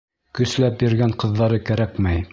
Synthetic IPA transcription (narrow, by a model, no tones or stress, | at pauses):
kɵ̆slæp̚bɘ̆ɾɡæɴqɤ̆ðːɑɾɤkæɾækmæj